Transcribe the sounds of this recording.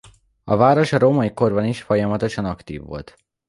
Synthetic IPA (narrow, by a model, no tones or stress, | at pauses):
ɒvaːɾo̞ʃɒɾoːmɒiko̞rbɒniʃfo̞jɒmɒt̪o̞ʃɒnɒkt̪ḭːvːo̞̰lt̪